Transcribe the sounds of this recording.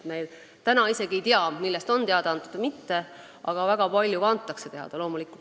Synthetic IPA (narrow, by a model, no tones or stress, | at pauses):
t̪mejl | t̪ænɑise̞ɡiejt̪iɑmilːest̪o̞nt̪eɑd̪̥ɑnt̪ut̪mit̪ːe̞ | ʔɑɡ̥ɑvæɡ̥ɑpɑlʲjukɑnt̪ːˑɑkse̞t̪e̞ɦɑ̰d̪̥ɑlo̞ːmulikːˑu